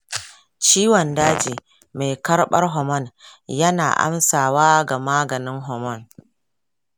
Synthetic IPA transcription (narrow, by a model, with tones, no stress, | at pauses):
t͡ʃiː˦wɔ˨ndaː˦d͡ʒiː˨ | me˨jkɐ˦rɓɐ̰˦rɦɔ˨mɔ˦˨njɐ˦na̰ː˨ʔa̰˦msaː˨waː˦ɡa˨maː˦ɡɐ˨nɪ˦ŋɦɔ˨mɔ˦˨n